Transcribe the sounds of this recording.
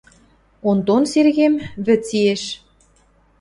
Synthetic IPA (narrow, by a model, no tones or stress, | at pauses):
ont̪onserɣemβɘ̆t͡sieʃ